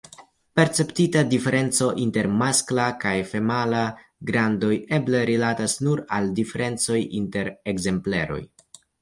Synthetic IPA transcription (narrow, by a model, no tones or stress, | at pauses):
pe̞ɾt͡se̞ptitadife̞ɾʔe̞nt͡so̞ʔinte̞ɾmasklakajfe̞malaɡɾando̞je̞ble̞ɾilatasnuɾaldife̞ɾe̞nt͡so̞jinte̞ɾeɡze̞mple̞̰ɾo̞̰j